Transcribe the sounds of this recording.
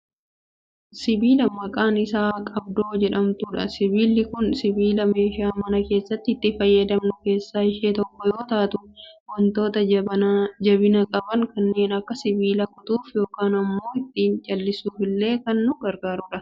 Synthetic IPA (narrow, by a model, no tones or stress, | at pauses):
sɪbiːlɐmɐkʼaːnɪsaːkʼɐb̚d̪o̞ːd͡ʒɛᶑɐmt̪uᶑɐ̰sɪbiːlːɪkʊnsɪbiːlɐme̞ːʃaːmɐnɐke̞ːsːɐt̪ːɪt̪ːɪfɐjːɐd̪ɐmnʊke̞ːsːaːɪʃeːt̪ɔkːɔjo̞ːt̪aːt̪ʊwɐnt̪o̞ːt̪ɐɐd͡ʒɐbɪnɐkʼɐbɐŋkɐnːe̞ːnɐkːɐsɪbiːlɐkʊt̪uːfjo̞ːkaːnɐmːo̞ːɪt̪ːiːnt͡ʃʼɐlːɪsuːfɪlːe̞ːkɐnːʊɡɐɾɡaːɾʊᶑɐ